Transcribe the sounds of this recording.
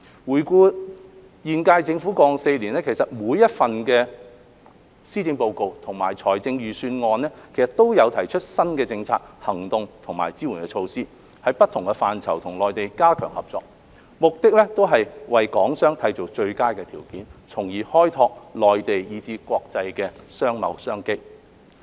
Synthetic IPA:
wuː˨˩jkuː˧ | jiː˨nkaː˧jt͡sɪ˧ŋfu˨˥kɔː˧ŋse˧jliː˨˩nɛː˥kʰe˨˩jsɐ˨t̚muː˨˧jjɐ˥t̚fɐ˨nkɛː˧ | siː˥t͡sɪ˧ŋpo˧wko˨˧wt̪ʰʊ˨˩ŋma̰ː˨˩jt͡sʰɔː˨˩jt͡sɪ˧ŋjyː˨˩syː˧nŋɔː˧nlɛː˥kʰe˨˩jsɐ˨˩t̪o˥wjɐ˨˧wt̪ʰɐ˨˩jt͡ʃʰɵ˥t̚sɐ˥nkɛː˧t͡sɪ˧ŋt͡sʰaː˧k̚hɐ˨˩ŋt̪ʊ˨˧ŋt̪ʰʊ˨˩ŋma̰ː˨˩jt͡siː˥wuː˨˩nkɛ˧t͡ʃʰo˧wsiː˥ | hɐ˨˧jpɐ˥t̪ʰːʊ˨˩ŋkɛ˧faː˨nt͡sʰɐ˨˩wt̪ʰʊ˨˩ŋlɔː˨jt̪e˨jkaː˥kʰœː˨˩ŋhɐ˨p̚t͡sɔ̰ː˧k̚ | mʊ˨˩k̚t̪ɪ˥k̚lɛ˥t̪o˥wɦɐ˨jwɐ˨jkɔː˨˥ŋsœː˥ŋt̪ʰɐ˧jt͡so˨˩t͡ʃɵ˧ɥkaː˥kɛː˧t̪ʰiː˨˩wkiː˨˥nt͡sʰʊ˨˩ŋjiː˨˩hɔː˥jt̪ʰɔː˧k̚lɔː˨jt̪e˨jjiː˨˧t͡siː˧kʷɔː˧k̚t͡sɐ˧jkɛː˧sœː˥ŋmɐ̰˨wsœː˥ŋke˥k̚

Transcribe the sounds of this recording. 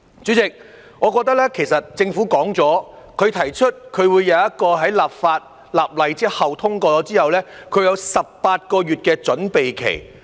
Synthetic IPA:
t͡syː˨˥t͡sɪ˨k̚ | ŋɔː˨˧kɔː˧k̚t̪ɐ˥k̚lɛː˥kʰe˨˩jsɐ˨t̚t͡sɪ˧ŋfuː˨˥kɔː˨˥ŋt͡sɔː˨˥ | kʰɵ˨˧ɥt̪ʰɐ˨˩jt͡ʃʰɵ˥t̚kʰɵ˨˧ɥwuː˨˧jɐ˨˧wjɐ˥t̚kɔː˧ɦɐ˨˥jlaː˨p̚faː˧t̚ | laː˨p̚lɐ˨˧jt͡siː˥hɐ˨wt̪ʰʊ˥ŋkɔː˧t͡sɔː˨˥t͡siː˥hɐ˨wlɛː˥kʰɵ˨˧ɥjɐ˨˧wsɐ˨p̚paː˧t̚kɔː˧ɥyː˨t̚kɛː˧t͡ʃɵ˨˥npe˨jkʰḛ˨˩j

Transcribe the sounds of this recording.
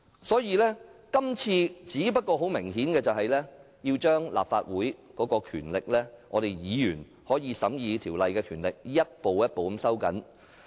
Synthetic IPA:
sɔː˨˥jiː˧lɛː˥kɐ˥mt͡sʰiː˧t͡siː˨˥pɐ˥t̚kɔː˧ɦo˨˥wmɪ˨˩ŋɦiː˨˥nkɛː˧t͡sɐ˨wɦɐ˨jlɛː˥ | jiː˧wt͡ʃœː˥ŋlʔa̰ː˨p̚fa̰ː˧t̚wuː˨˥jkɔː˨˥kɔː˧kʰyː˨˩nlɪ˨k̚lɛ˥ŋʔɔː˨˧ɾe˨jjiː˨˧jyː˨˩n | hɔː˨˥jiː˨˧sɐ˨˥mjiː˨˧t̪ʰiː˨˩wlɐ˨jkɛː˧kʰyː˨˩nlɪ˨k̚jɐ˥t̚po˨wjɐ˥t̚po˨wkɐ˨˥msɐ˥wkɐ˨˥n

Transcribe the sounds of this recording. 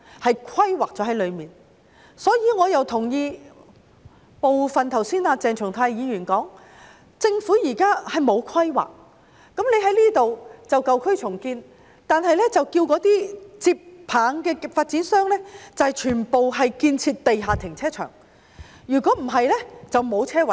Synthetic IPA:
hɐ˨jkʰɐ˥jwaː˨˩k̚t͡sɔː˨˥ɦɐ˨˧˥jlɵ˨˧ɥmiː˨n | sɔː˨˥jiː˧ŋɔː˨˧jɐ˨wt̪ʰʊ˨˩ŋjiː˧ | po˨wfɐ˨nt̪ʰɐ˨˩wsiː˥naː˧t͡sɛː˨ŋt͡ʃʰʊ˨˩ŋt̪ʰaː˧jjiː˨˧jyː˨˩nkɔː˨˥ŋ | t͡sɪ˧ŋfuː˨˥jiː˨˩kaː˥hɐ˨jmo˨˧wkʰɐ˥jwa̰ː˨k̚ː | ɐ˨˥mne˨˧jɦɐ˨˥jliː˥t̪o˨wt͡sɐ˨wkɐ˨˧wkʰɵ˥ɥt͡sʰʊ˨˩ŋkiː˧n | t̪aː˨˧nhɐ˨jlɛ˥t͡sɐ˨wkiː˧wkɔː˨˥t̪iː˥t͡siː˧ppʰaː˨˥ŋkɛː˧faː˧t̚t͡siː˨˥nsœː˥ŋlɛː˥t͡sɐ˨˧hɐ˨˩t͡ʃʰyː˨˩npo˨wɦɐ˨jkiː˧nt͡sʰiː˧t̚t̪e˨jɦaː˨t̪ʰɪ˨˩ŋt͡sʰɛː˥t͡ʃʰœ̰ː˨˩ŋ | jyː˨˩kɔː˨˥m̩˨˩ɦɐ˨jlɛ˥t͡sɐ˨wmo˨˧wt͡sʰɛː˥wɐ˨˦

